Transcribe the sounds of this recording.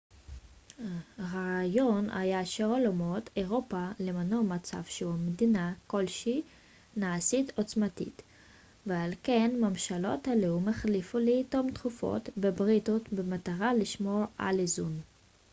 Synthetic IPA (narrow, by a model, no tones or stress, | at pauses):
ʁajo̞na̰jaʃeolomo̞teʁo̞palemanomat͡sa̰vʃeumedinako̞lʃi | naːsito̞t͡smatḭt | vealkenmamʃalo̞̰thaleumeχlifuleitomtχufo̰tbebʁit̪utbemataʁaliʃmo̞ʁa̰lizun